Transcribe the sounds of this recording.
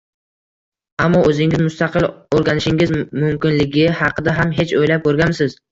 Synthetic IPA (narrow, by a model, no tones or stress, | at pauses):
amːɒɵzɪŋɪzmʊst̪ɑqʰɨlˠoɾɡʲanɪʃɪŋɪzmʊmkʲɪnlɪɡʲɪhɑqʰɨd̪aɦamɦe̞t͡ʃojlap̚koɾɡʲamsɪz̥